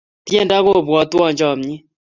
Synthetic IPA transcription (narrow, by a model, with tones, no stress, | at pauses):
t̪jɛ˦˨nda˦ko˦˨bwɔ˨t̪wɔ˦˨ɲd͡ʒɔ˦˨mɲɪ˦